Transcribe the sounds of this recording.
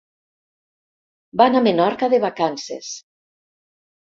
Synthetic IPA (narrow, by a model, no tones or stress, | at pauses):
banamenɔɾkaðeβakansḛs